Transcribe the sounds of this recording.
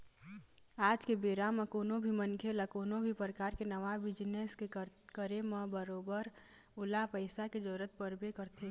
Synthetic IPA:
aːd͡ʒkebeːɾamẽkoːnobʱimə̃nkʰelakoːnobʱipɾəkaːɾkenɐʋabɪd͡ʒneskekəɾemɐ̃bəɾoːbəɾ | ʊlapəɪsaked͡ʒɔːɾət̪pəɾbekəɾt̪ʰe

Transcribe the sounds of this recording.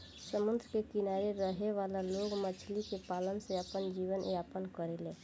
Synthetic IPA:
səmʊnd̪ɾkekɪnaːɾeɾəɦeʋaːlaloːɡmət͡ʃʰlikepaːlənseəpənd͡ʒiːʋənjaːpənkəɾeleː

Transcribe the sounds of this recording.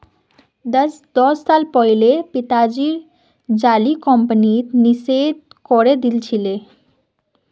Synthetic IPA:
d̪ɛs | d̪ɔsːalpɔjlepit̪ad͡ʑiɾ | d͡ʑalikɔmpənit̪nised̪̚ | kɔɾed̪ilt͡ɕʰile

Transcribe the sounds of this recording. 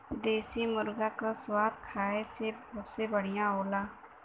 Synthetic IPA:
d̪eːsimʊɾɡakaswaːd̪kʰaːeseəbsebəɽ̤ijãoːlaː

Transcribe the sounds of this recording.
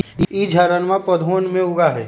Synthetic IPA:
iːd͡ʒʱaɾənmãpɐd̪ʱɦoːnmẽʊɡaɦɛː

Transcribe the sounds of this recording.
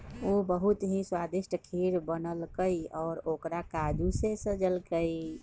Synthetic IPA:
obəɦut̪ɦĩswad̪iʃʈʰəkʰiɾbənəlkəjɔːɾokɾakad͡ʒusesə̃d͡ʒəlkəi

